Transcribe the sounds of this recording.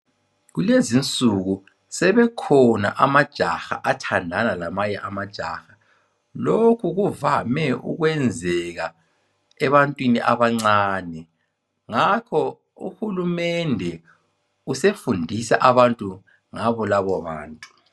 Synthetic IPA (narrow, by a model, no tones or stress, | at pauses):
ɣulezint͡sʼuɣu | sɛβɛkʰɔna̰ʔamad̥ʒ̥ʱaxa̰ʔatʰandʱanalamaɲɛʔamad̥ʒ̥ʱa̰xa | lokʰuɣuvamɛṵɣwɛnd͡zʱɛɣa | ɛβantʼwiniʔa̰βaŋ͡ǀaːnɛ | ŋakʰɔ | ṵxulumɛndʱɛ | usefundʱisaʔaβantʼu | ŋaβɔlaβɔβa̰ːntʼu